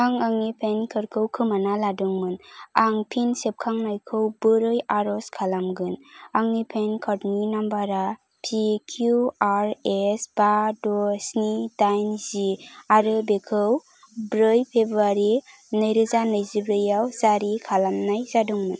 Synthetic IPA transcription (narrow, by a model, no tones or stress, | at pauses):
aŋaŋnipʰenkʰɯɾkʰɯwkʰɯmanaladuŋmɯnaŋpʰinsep̚kʰaŋnajkʰɯwbɯɾɯjaɾɔskʰalamɡɯnaŋnipʰenkʰəɾninambaɾa | pʰikʰjuaɾesbadɔsnidajnziaɾɯbekʰɯw | bɾɯjpʰebɾaɾi | nɯjɾɯzanɯjzibɾɯjawz̥aɾikʰalamnajzaduŋmɯn